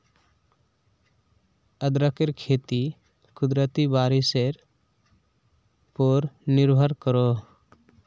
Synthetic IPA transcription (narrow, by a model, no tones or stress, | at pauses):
əd̪ɾakeɾkʰet̪i | kud̪ɾət̪ibaɾiseɾ | pɔɾniɾbʱaɾkɔɾo